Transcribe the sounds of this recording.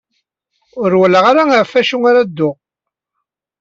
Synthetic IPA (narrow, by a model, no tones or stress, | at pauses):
ʊɾwələʁaɾaaʕfæʃuŋaɾæd̪ːʊʁ